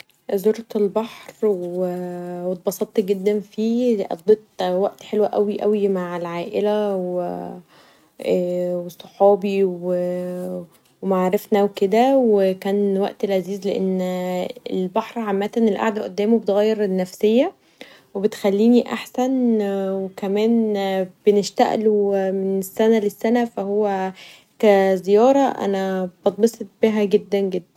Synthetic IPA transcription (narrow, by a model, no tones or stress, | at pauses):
zoɾˤt̪elbɑħɾwewet̪̚bɑsˤɑt̪ˤːɡed̪ːænfiːʔɑ̰fd̪ˤet̪ˤwæʔt̪ħelwæʔæwiʔæ̰wimaʕelʕaːʔelæw | wesˤːoħɑːbiwe | wemaʕɾefnæwked̪æwekæːnwæ̰ʔt̪elʕaziːzleʔenːḛlbaħɾˤʕamːæːt̪ænelʔa̰ʕd̪æʔod̪ːæːmobet̪ɣæjːeɾenːæfsejːæ | webet̪xælːiːniʔa̰ħsænwekæmæːnb̥eneʃt̪æ̰ʔlumenesːænælesːænæfæhowːæ | kæzejɑːɾˤɑʔæ̰næb̥ɑt̪̚ˤbesˤet̪̚b̥iɦæɡed̪ːænɡed̪ːæn